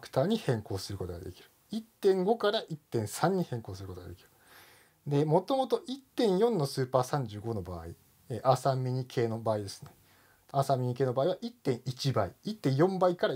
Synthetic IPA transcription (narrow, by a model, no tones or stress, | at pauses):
kɯ̥t̪aːɲ̟ihẽ̞ŋko̞ːsɨɾɯ̟ko̞t̪oɡa̰d̪e̞̰kʲi̥ɾɯ̟̥ | it̪ːẽ̞ŋɡo̞kaɾaʔit̪ːẽ̞ɰ̃sãɲ̟ːihẽ̞ŋko̞ːsɨɾɯkot̪oɡa̰d̪e̞kʲi̥ɾɯ̥ | d̪e̞mo̞t̪o̞mo̞t̪o̞ʔit̪ːẽ̞ɰ̃jõ̞nːo̞sɨːpaːsãɲ̟d͡ʑɨːɡo̞no̞ba̰ːḭ | eʔasãmːʲiɲ̟ikʰe̞ːno̞baːid̪e̞sɨ̥ne̞ | aːsãmːʲiɲ̟ike̞ːnobaːiβaʔit̪ːẽɰ̃it͡ɕibaiit̪ːẽ̞ɰ̃jõ̞mbaikaɾa